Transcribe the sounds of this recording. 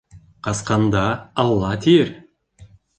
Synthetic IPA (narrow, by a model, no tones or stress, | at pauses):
qʰɑsqɑnd̪ɑɑlˠːɑt̪ʰijeɾ